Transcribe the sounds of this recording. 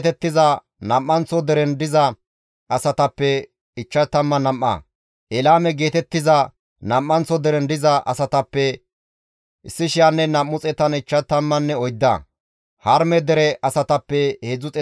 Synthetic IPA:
t̪ɛt̪ːɪzɐ | nɐmːɐnt͡sɔd̪ɛɾɛnd̪ɪzɐ | ɐsɐt̪ɐpːɛ | ɪt͡ʃːɐt̪ɐmːɐnɐmːɐ̰ | ʔɛlaːmɛɡe̞ːt̪ɛt̪ːɪzɐ | nɐmːɐnt͡sɔd̪ɛɾɛnd̪ɪzɐʔɐ̰sɐt̪ɐpːɛ | ʔɪsːɪʃɪjanːɛnɐmːʊt͡sʼɛt̪ɐnɪt͡ʃːɐt̪ɐmːɐnːɛɔjd̪ːɐ̰ | hɐɾmɛd̪ɛɾɛʔɐsɐt̪ɐpːɛheːd͡zʊt͡sʼɛ

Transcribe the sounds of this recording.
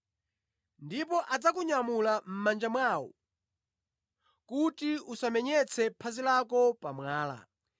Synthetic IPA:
ndipɔʔad͡zakuɲamulam̩mand͡ʒamwawɔ̰ | kutiusamɛɲɛt͡sʰɛpʰazilakɔpamwaːla̰

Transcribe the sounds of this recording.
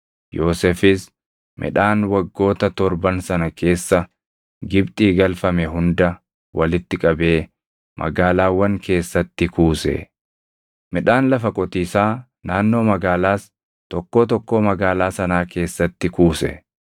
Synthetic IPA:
jo̞ːsɛfɪs | mʔɪ̰ᶑaːnwɐɡːo̞ːt̪ɐt̪ɔɾbɐnsɐnɐkʰe̞ːsːɐ | ɡɪbt̪ʼiːɡɐlfɐmɛɦʊnd̪ɐ | wʔɐlɪt̪ːɪkʼɐbe̞ː | mʔɐ̰ɡaːlaːwːɐŋke̞ːsːɐt̪ːɪkuːsɛ̰ | mɪᶑaːnlɐfɐkʼɔt̪iːsaː | naːnːo̞ːmɐɡaːlaːs | t̪ɔkːoːt̪ɔkːo̞ːmɐɡaːlaːsɐnaːke̞ːsːɐt̪ːɪkuːsɛ̰

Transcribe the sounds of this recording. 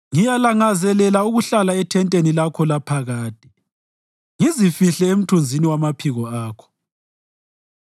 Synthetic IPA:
ŋijalaŋazɛlɛlauɣuɬalaɛtʰɛntʼenilakʰɔlapʰaɣaːtʼi | ŋizifiɬɛem̩tʰund͡zʱiniwamapʰiɣɔaːkʰɔ̥

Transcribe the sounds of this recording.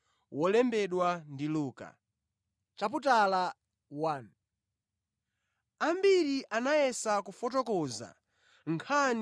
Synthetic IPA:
wʔɔlɛmbɛɗwandiluːka̰ | t͡ʃap̬utala | waːn | ambiɾiʔanajɛsakufɔt̬ɔkɔza̰ | ŋkʰan

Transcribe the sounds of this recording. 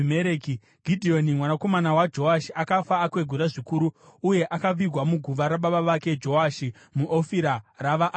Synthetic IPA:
meɾeki | ɡ̥ʱidʱio̞nimwanako̞manawad͡ʒo̞aʃiʔakafaːkwe̞ɡʱuɾaʐikuːɾuuje̞ʔakaʋiɡʱwamuɡʱuʋaɾaɓaɓaʋake̞d͡ʒo̞aʃi | muʔofiɾaraʋaʔː

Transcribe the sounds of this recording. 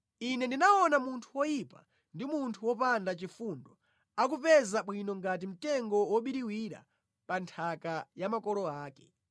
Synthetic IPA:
inɛndinaɔnamuntʰuwɔjipa | ndimuntʰuwɔpandat͡ʃifundɔ | ak̬upɛzaɓwinɔŋɡat̬im̩tɛŋɡɔwɔɓiɾiwiɾa̰ | pantʰakajamakɔlɔaːkɛ̥

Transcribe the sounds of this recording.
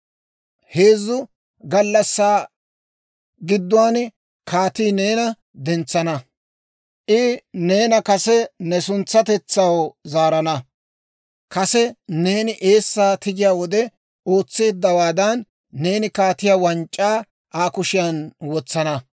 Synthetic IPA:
he̞ːzːʊ | ɡɐlːɐsːaː | ɡɪd̪ːʊwaːn | kaːt̪iːne̞ːnɐ | d̪ɛnt͡sːɐnɐ | ʔɪne̞ːnɐkɐsɛnɛsʊnt͡sːɐt̪ɛt͡sːɐwzaːɾɐnɐ | kɐsɛne̞ːnɪʔe̞ːsːaːt̪ɪɡɪjaːwɔd̪ɛ | o̞ːt͡sːe̞ːd̪ːɐwaːd̪ɐnː | e̞ːnɪkaːt̪ɪjaːwɐnt͡ʃʼːaː | ʔaːkʊʃɪjɐnwɔt͡sːɐnɐ

